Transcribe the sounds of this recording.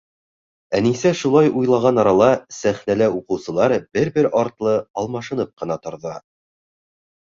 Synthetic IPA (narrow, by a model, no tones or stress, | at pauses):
ænisæʃulˠɑjujlˠɑʁɑnɑɾɑlˠɑsæχnælæuqɤ̆wsɤ̆lˠɑɾbɘɾbɘɾɑɾt̪lˠɤɑlˠmɑʃɤ̆nɤp̚qɤ̆nɑt̪ŏɾðɑ